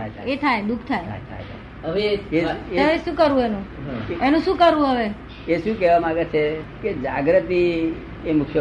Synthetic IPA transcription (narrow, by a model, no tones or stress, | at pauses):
ajt̪ʰa̰et̪ʰajd̪ukʰt̪ʰajʰa̰jt̪ʰa̰jt̪ʰa̰ | əʋeeeəʋeʃũkəɾʋũenũenũʃũkəɾʋũɦəʋe | eʃũk̬ɛʋamaɡet͡ʃʰeked͡ʒaɡɾət̪i | emʊkʰj